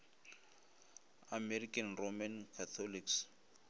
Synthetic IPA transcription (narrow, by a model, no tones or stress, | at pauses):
amɛrikʰʼanromankʰat̪ʰɔliks